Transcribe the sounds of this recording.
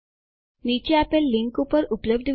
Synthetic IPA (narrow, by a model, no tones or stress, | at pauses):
nit͡ɕeæpelːiŋkupəɾupləb̚d̪